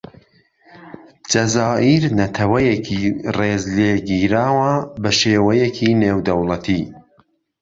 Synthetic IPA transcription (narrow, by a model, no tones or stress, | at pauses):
d͡ʒɐzaːʔiɾnɐt̪ʰɐwɛjɛkʰireːzleːɡiːɾaːwɐbɐʃeːwɛjɛkʰiːneːwd̪ɐwlˠɐt̪ʰiː